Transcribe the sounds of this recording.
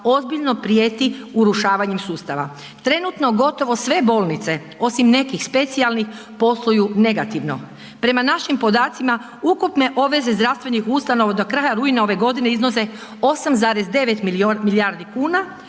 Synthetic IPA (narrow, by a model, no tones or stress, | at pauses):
o̞zbiʎno̞pɾijet̪iuɾuʃaːʋaɲemsuːst̪aʋa̰ | t̪ɾe̞nut̪no̞ɡo̞t̪o̞ʋo̞sʋe̞bo̞ːlnit̪se̞ | o̞simne̞kixspe̞t̪sialˠnix | po̞slˠujune̞ɡat̪iʋno̞ | pɾe̞manaʃimpo̞d̪aːt̪sima | ukupne̞ʔo̞bʋe̞ze̞zd̪ɾaʋst̪ʋe̞nixust̪ano̞ʋad̪o̞kɾaːjaɾujinao̞ʋe̞ɡo̞d̪ine̞izno̞s̬e̞ | o̞samzaːɾe̞zd̪e̞ʋet̪mmilijaɾd̪ikuːna